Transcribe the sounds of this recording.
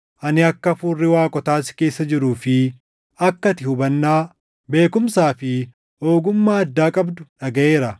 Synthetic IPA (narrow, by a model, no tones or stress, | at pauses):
ʔɐnɪɐkːɐfuːrːɪwaːkʼɔt̪aːsɪ̥ke̞ːsːɐd͡ʒɪɾuːfɪ | ɐkːɐt̪ɪhʊbɐnːaː | be̞ːkʊmsaːfɪ | oːɡʊmːaːɐd̪ːaːkʼɐbd̪ʊᶑɐɡɐʔe̞ːɾɐ